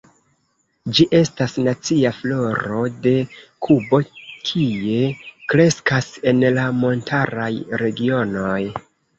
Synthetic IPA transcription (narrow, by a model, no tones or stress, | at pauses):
d͡ʒiʔe̞stasnat͡siaflo̞ɾo̞de̞kʰubo̞kʰie̞kɾe̞skase̞nlamo̞ntʰaɾajɾe̞ɡio̞no̞j